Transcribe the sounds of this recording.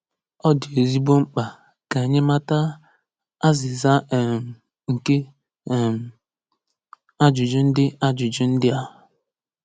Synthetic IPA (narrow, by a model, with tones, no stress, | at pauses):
ɔ˦dɪ˨e˨zi˦bo˦ŋ͡m̩˦k͡pa˨ | ka˨e˨ɲe˦ma˦ta˦ | a˦zɪ˨za˦˨ | ŋ̩˨ke˦˨ | m̩˨ | a˦d͡ʒʊ˨d͡ʒʊ˦n̩˦dɪ˦a˦d͡ʒʊ˨d͡ʒʊ˦n̩˦dɪ˦a˦